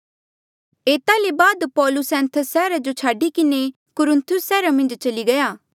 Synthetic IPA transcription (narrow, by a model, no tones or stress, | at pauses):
eːt̪alebaːd̪pɔːlʊsɛ̃ːnt̪ʰəsɛːɾad͡ʒot͡ʃʰaːɖikɪne | kʊɾɪ̃nt̪ʰʊsɛːɾamɐ̃nd͡ʒt͡ʃɐliɡɐjaː